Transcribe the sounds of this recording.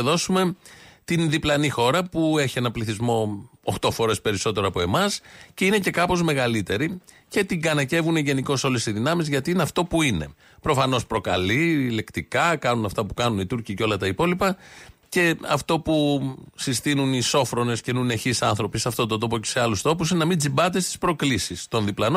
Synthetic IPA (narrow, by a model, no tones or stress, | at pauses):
ðo̞sume̞t̪inðiplɐnixo̞ɾɐpue̞çie̞nɐpliθizmo̞oxt̪o̞foɾe̞spe̞ɾiso̞t̪e̞ɾoɐpo̞e̞mɐsceine̞ce̞kɐpo̞zme̞ɣɐlit̪e̞ɾice̞t̪iɡɐnɐce̞vune̞ʝe̞niko̞so̞le̞siðinɐmizʝɐt̪iineɐft̪o̞puine̞ | pɾo̞fɐno̞spɾo̞kɐlile̞kt̪ikɐkɐnunɐft̪ɐpu̥kɐnunit̪uɾciceo̞lɐt̪ɐipo̞lipɐce̞ɐ̰ft̪o̞pusist̪inuniso̞fɾo̞ne̞scenuneçisɐnθɾo̞pisɐft̪o̞t̪ond̪o̞pocese̞ɐlust̪o̞pus̬inenɐmind͡zibɐt̪̬est̪i̥spɾo̞klisist̪o̞nðiplɐno